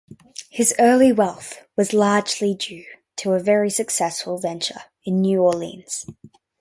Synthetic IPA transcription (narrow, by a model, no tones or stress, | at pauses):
hɪzɜːlˠiwɛlˠθwʌzlɑːd͡ʒlid͡ʒʉː | tʰəəvɛɹisɨksɛsfəlˠvɛ̃nt͡ʃə̰˞ | ɨ̃nːjʉɔlḭ̃nz̥